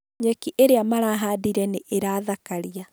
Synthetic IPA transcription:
ɲɛkiʔeɾeamaɾaɦadiɾɛneʔeɾaːðakaɾia

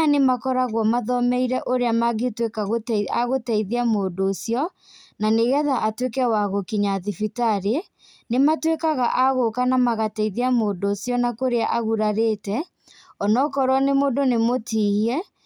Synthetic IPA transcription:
anemakɔɾaɣwɔmaðɔmɛiɾɛʔoɾeamaɣetwekaɣoaɣotɛiðiamoːdoːsiɔ | naneɣɛðaʔatwekɛwaɣokiɲaðifitaɾe | nematwekaɣaʔaɣokanamaɣatɛiðiamoːdoːsjɔnakoɾeaʔaɣuɾaɾeːtɛ | ɔnɔkɔɾwɔnemoːdonemotʰiiɛ

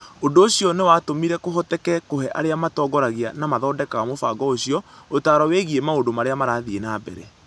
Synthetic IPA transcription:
ondoːɕiɔnewaːtomiɾɛkoɦɔtɛkɛkohɛʔa̰ɾeamatɔːɡɔɾaɣianamaðɔːdɛkaɣamofaɡɔoɕiɔotaːɾɔweɣiemaondomaɾeamaɾaːðienaːbɛ̰ɾɛ

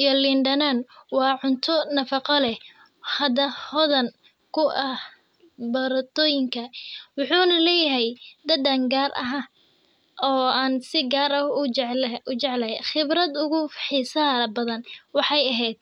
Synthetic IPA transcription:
ijɔlɪnɖɐnɐnwɑːʕʊnt̪ʰɔnɐfɑqɔlɛh | hɐd̪ɐhɔðɐn | kʰʊʔɐh | bɐɾɐt̪ɔːjɪŋkʰɐwʊħuːnɐlɛːjɐɦɛjd̪ɐd̪aŋɡaːrʔɐ̰ɦaː | ʔɔːaːnsɪɡaːɾɐ | ʊt͡ʃɛʕlɐχɪbɾɐd̪ʊɣʊħiːsɐbɐðɐnwɑħɑjɐɦɛjd̪̥̚

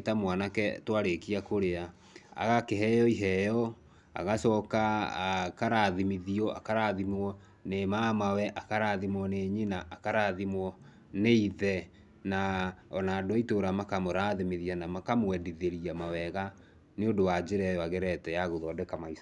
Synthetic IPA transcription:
tamwanakɛ̰twaɾekiakoɾea | a̰ɣakeɦɛjɔiɦɛjɔ | a̰ɣasɔka | kaɾaðimiðiɔa̰kaɾaðimɔ | nemamawɛʔakaɾaðimwɔneːɲenaʔːkaɾaːðimwɔ | neiðɛ | naɔnaːdoaitoɾamakamoɾaðimiðianamakamowɛdiðeɾiamawɛɣa | neodowad͡ʑeɾɛjɔaɣɛɾɛtɛjaɣoðɔdɛkamaisa

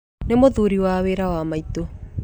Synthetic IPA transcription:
nemoðuɾiwaweɾawamaito

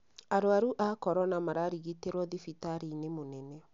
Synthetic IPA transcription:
aɾoaɾuʔakɔɾɔnamaɾaɾiɣiteɾwɔðifitaɾinemonɛnɛ

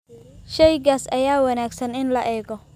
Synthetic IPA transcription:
ʃɛjɡaːsɐjaːwɐnaːɡsɐnɪnlɐʔɛːɡɔ

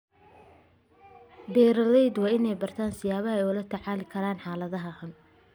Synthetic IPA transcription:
bɛːɾɐlɛjd̪wɑːɪnɛjbɐrt̪ʰaːnsɪjaːβɐɦɛjʊlɐt̪ʰɐʕaːlɪkʰɐɾaːnħaːlɐðɐɦɐhɐn

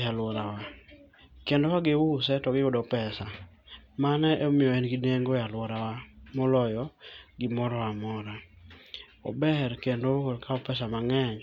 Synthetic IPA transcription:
jalwɔɾawa | kendowaɡɪwʊsɛtɔɡɪʊdɔpɛsa | manɛʔɔmɪjɔɛnɡideŋɡojalwɔɾawamɔlɔjɔɡɪmɔɾɔwamɔɾa | ɔ̰bɛɾkendokodkaɔpɛsamaŋɛɲ

